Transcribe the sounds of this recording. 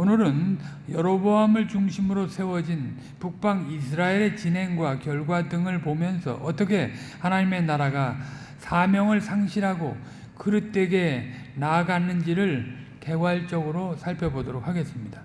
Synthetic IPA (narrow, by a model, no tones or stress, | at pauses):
onɯɾɯn | jʌɾʌboɦamɯɭt͡ɕuŋɕʰimɯɾosʰe̞wʌd͡ʑin | puk̚p͈aŋisʰɯɾaeɾe̞t͡ɕinɦe̞ŋɡwakjʌɭɡwadɯŋɯɭpomjʌnsʰʌ̰ʔʌt͈ʌkʰe̞hanaɲime̞naɾaɡa | sʰamjʌŋɯɭsʰaŋɕʰiɾɦaɡo̰ | kɯɾɯt͈e̞ɡe̞ | naːɡanːɯnd͡ʑiɾɯɭ | ke̞ɡwaɭt͡ɕ͈ʌɡɯɾosʰaɭpʰjʌbodoɾok̚haɡe̞s͈ɯmɲida